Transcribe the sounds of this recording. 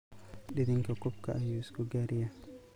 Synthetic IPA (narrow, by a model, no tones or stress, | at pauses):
ɗediŋkakɔp̚kaːjusɡuɡaɾija